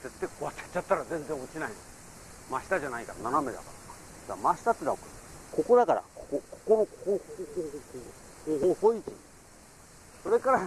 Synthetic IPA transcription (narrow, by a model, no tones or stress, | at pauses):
d͡ze̞t̪ːaikoβat͡ɕːḁt͡ɕːat̪ːaɾazẽ̞nd͡zẽ̞ŋ̃ot͡ɕinaino | maɕi̥t̪aʑanaikaɾananamed̪a̰kaɾokḁ | d̪amaɕi̥t̪at̪ːenakɯko̞ko̞d̪akaɾa̰kokokʰokoɾokkohho | hoɦohoit͡ɕiɲi | so̞ɾe̞kaɾa